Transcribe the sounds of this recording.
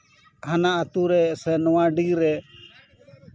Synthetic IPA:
hanaʔat̪uɾɛsɛnɔwãɖiɾɛ

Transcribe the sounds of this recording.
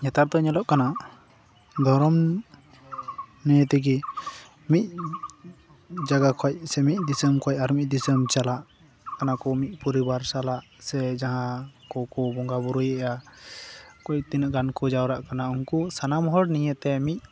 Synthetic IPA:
ɲɛt̪aɾt̪ɔɲɔlɔʔkana | d̪ʱɔɾɔm | nɛjɛt̪ɛɡi | mic̚ | d͡ʒaɡakʰɔc̚sɛmic̚ˀd̪isəmkʰɔj̚aɾmic̚d̪isəmt͡ʃalaʔ | kanakɔmic̪̚ˀpɔɾibaɾsalaʔ | sɛd͡ʒaɦãkɔkɔbɔŋɡabuɾujɛʔa | kɔc̚t̪inəʔɡankɔd͡ʒawɾaʔkanauŋkusanamɦɔɽniɲət̪ɛmic̪̚

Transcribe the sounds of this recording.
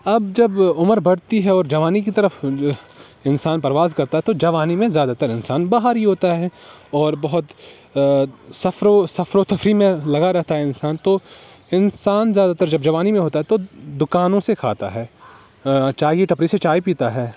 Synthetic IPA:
ɐbd͡ʒɐbʊməɾbɐɽt̪iɦɛɔːɾd͡ʒɐʋaːnikit̪ɐɾəf | ɪnsaːnpɐɾɐʋaːzkɐɾt̪aɦɛt̪od͡ʒɐʋaːnimẽzjaːd̪at̪ɐɾɪnsaːnbaːɦaɾɦiɦoːt̪aɦɛ | ɔːɾbɐɦʊt̪ | sɐfɾosɐfɾot̪ʰɐfɾimẽlɐɡaɾɛɦt̪aɦɛɪnsaːnt̪o | ɪnsaːnzjaːd̪at̪ɐɾd͡ʒɐbd͡ʒɐʋaːnimẽɦoːt̪aɦɛt̪od̪ʊkaːnõsekʰa̰ːt̪a̰ɦɛː | t͡ʃaːɡiʈɐpɾiset͡ʃaːipiːt̪aɦɛː

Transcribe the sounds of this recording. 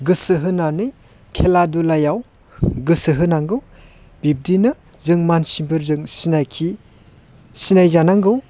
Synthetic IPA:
ɡɯsɯɦɯnanɯj | kʰeladulajaw | ɡɯsɯɦɯnaŋɡɯw | b̥ib̚dinɯ | zɯŋmansimbɯɾzɯŋsinajkʰi | sinajzanaŋɡɯw

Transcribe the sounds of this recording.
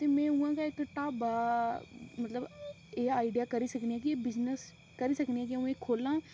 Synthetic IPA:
t̪eːmɛ̃ːʊ̃ːãːkaːɪkʈaːbaː | mət̪ləb | eːaːɪɖijaːkəɾiːsəkniːãːkɪebɪznəs | kəɾiːsəkniːãːkɪũːeːkʰoːlãː

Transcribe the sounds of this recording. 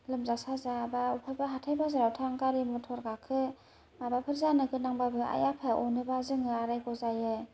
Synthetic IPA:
lɯmzasazabaupʰajbaɦatʰajbazaɾawtʰaŋkaɾimɔtʰɔɾɡakʰɯ | mabapʰɯɾzanɯɡɯnaŋbabɯʔa̰japʰaʔɔnɯbazɯŋɯaɾajɡɔzajɯ

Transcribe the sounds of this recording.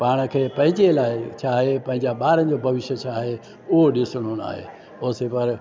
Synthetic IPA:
paːɽ̃ə̆kʰeːpɐ̃ɦɪ̃ɲd͡ʑelaːɪt͡ɕʰaːɦepɐ̃ɦɪ̃ɲd͡ʑaɓaːɾə̃̆d͡ʑobʱɐʋɪʃjət͡ɕʰaːɦe | ʊɦoɗɪsɽ̃oña̰ːɦḛː | oːsepɐɾ

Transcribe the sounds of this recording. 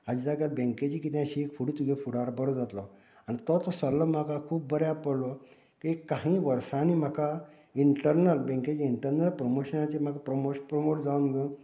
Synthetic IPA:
ad͡ʑid͡zaɡalbẽŋked͡ʑikit̪jãɕiːkfuɽit̪uɡefuɽaɾbəɾod͡zat̪lɔ | anit̪ɔt̪ɔsəɾlɔm̤akakʰuːp̚bəɾjapəɽlɔ | kikaɦĩʋəɾsanim̤aka | iɳʈəɾnəlbẽŋket͡ɕiːiɳʈəɾnəlpɾomoɕənat͡ɕem̤akapɾomopɾomoʈd͡zaunɡə

